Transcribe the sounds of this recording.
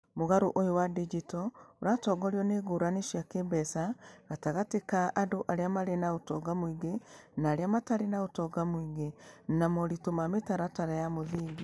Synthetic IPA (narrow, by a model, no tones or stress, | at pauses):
moɣaɾoʔojowadid͡ʒitɔoɾaːtɔːɡɔɾiɔneɣoɾaneʃjakebɛsaɣataɣatekaʔadoʔaɾeamaɾenaotɔɡamwiɡenaːɾeamataɾenaotɔɡamwiɣenamɔɾitomametaɾataɾajamoðiːŋɡi